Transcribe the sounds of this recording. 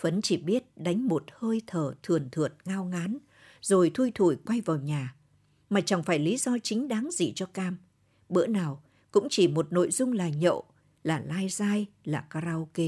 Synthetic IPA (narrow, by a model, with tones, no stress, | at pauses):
fə˨˦nt͡ɕi˧˩ɓi˦˥ət̚ɗa˨˦jŋ̟mo˨˩t̚həː˧jt̪ʰəː˨˩t̪ʰɨ˨˩ənt̪ʰɨ˨˩ət̚ŋaː˧wŋaː˨˦n | zo˨˩jt̪ʰu˧jt̪ʰu˧˩jkwa˧jvaː˨˩wɲaː˨˩ | maː˨˩t͡ɕa˨˩ŋfaː˧˩jli˨˦zɔ˧t͡ɕï˨˦ŋ̟ɗaː˨˦ŋzḭ˧˩t͡ɕɔ˧kaː˧m | ɓɨ̰˧˥ənaː˨˩w | kʊ̰˧˥ŋ͡mt͡ɕi˧˩mo˨˩t̚no̰˧˨jzʊ˧ŋ͡mlaː˨˩ɲə̰˧˨ | laː˨˩laː˧jzaː˧jlaː˨˩kaː˧ɾaː˧wke˧